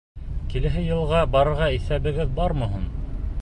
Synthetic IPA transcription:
kilɘ̆ɦɘjɤ̆lˠʁɑbɑɾɤ̆ɾʁɑiθæβɘ̆ɡɘðbɑɾmɤ̆ɦun

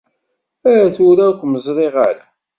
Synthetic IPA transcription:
æθuɾækʷməzˤɾˤiʁaɾa

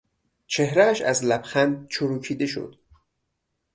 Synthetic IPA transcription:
t͡ʃʰe̞hɾæːʃæ̰zlæbxænd̪̚t͡ʃʰoɾuːkʰiːd̪e̞ʃo̰d̪̥

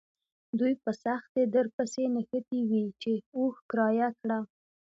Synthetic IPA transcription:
d̪ujpəsaxt̪ed̪əɾpəsenəxət̪iwit͡ʃeoxkɾɑjakɽa

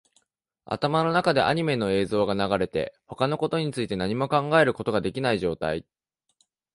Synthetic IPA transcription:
a̰t̪amano̞nakad̪e̞̰ʔa̰ɲ̟ime̞no̞e̞ːzo̞ːɡanaɡaɾe̞t̪e̞̰ho̞kano̞ko̞t̪o̞ɲ̟it͡sɨit̪e̞naɲ̟imo̞kãŋɡae̞ɾɯ̟ko̞t̪o̞ɡad̪e̞kʲinaiʑo̞ːt̪a̰ḭ

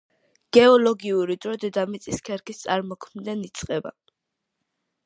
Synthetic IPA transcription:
ɡ̥ɛɔlɔɡiuɾid̪ɾɔd̪ɛd̪amɛt̪sʼiskʰɛɾkʰist̪sʼaɾmɔkʰmd̪ɛnit̪sʼqʼɛba̰

